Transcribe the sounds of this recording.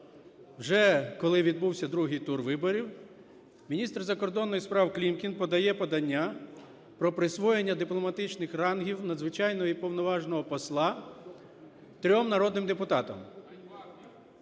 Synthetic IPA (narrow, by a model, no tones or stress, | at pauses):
wʒɛkɔlˠɪʋʲid̪̚buwsʲɐd̪ɾuɦɪjt̪urʋɪbɔɾʲiw | mʲinʲist̪rzɐkɔrd̪ɔnːɔjispɾɑwklʲimkʲinpɔd̪ɐjɛpɔd̪ɐnʲːa | pɾɔpɾɪsʋɔjenʲːɐd̪ɪplˠɔmɐt̪ɪt͡ʃnɪxrɑnɦʲiwnɐd̪zʋɪt͡ʃɑjnɔɦipɔwnɔʋɑʒnɔɦɔpɔslˠɑ | t̪ɾʲɔmnɐɾɔd̪nɪmd̪epʊt̪ɑt̪ɔm